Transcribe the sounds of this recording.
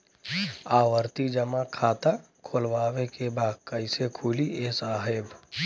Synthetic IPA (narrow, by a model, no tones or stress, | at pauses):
aːʋəɾt̪id͡ʒəmakʰaːt̪a | kʰolʋaːwekebaːd̪kəɪsekʰuliesaːɦeb